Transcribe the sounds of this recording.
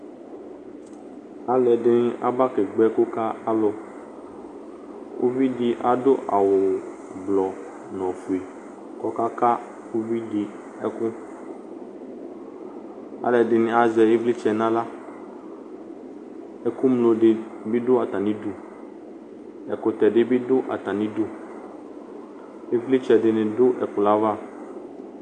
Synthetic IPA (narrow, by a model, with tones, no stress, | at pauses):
a˦lɛ˨dɪ˦nɪ˦ʔa̰˦ba˦ke˨ɡ͡bɛ˦kʊ˦ka˦a˦lo˨ | ʔo̰˦vi˦di˦ʔa˨do˦ʔa˨wo˨ | blɔ˨ | nɔ̃˨fu˨e˨ | kɔ˦ka˦ka˦ | o˦vi˦di˨ | ɛ˦kʊ˦ | a̰˦lɛ˨ɖɪ˨nɪ̃˨a˨zɛ˨e˦vli˦t͡ʃɛ˨nã˦la˦ | ɛ˦ku˦mlo˨ɖɪ˨bi˦dʊ˦a˨t̪a˨nĩ˦du˦ | ɛ̰˨ko˨t̪ɛ˨ɖɪ˦bi˦dʊ˦ʔa̰˨t̪a˨nĩ˦du˦ | e˦vli˦t͡ʃɛ˨ɖɪ˨nɪ̃˨dʊ˦ʔɛ˨kʊ˨la˦va˦